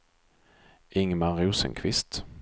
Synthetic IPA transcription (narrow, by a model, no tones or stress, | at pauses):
ɪŋmaɾuːsə̰ŋkʰvɪst̪